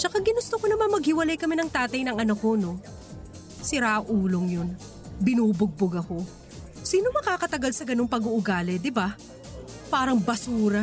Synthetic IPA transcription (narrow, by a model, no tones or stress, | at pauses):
t͡ʃɐkaɡɪnʊst̪oko̞nɐmɐnmɐɡ̚hɪwɐlajkɐmɛnɐŋt̪aːt̪ɐjnɐŋʔɐnɐko̞no̞ | sɪɾaʔɐʔuːlo̞ŋjon | bɪnuːbʊɡ̚boɡɐko̞ | siːno̞mɐkaːkɐt̪ɐɡalsɐɡɐno̞ŋpɐɡuʔʊɡaːlɛd̪ɪba | paːɾɐŋbɐsuːɾɐ